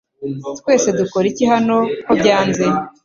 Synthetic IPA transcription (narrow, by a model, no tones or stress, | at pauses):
twe̞ːse̞dukoɾiciɦano̞kobɟaːnze̞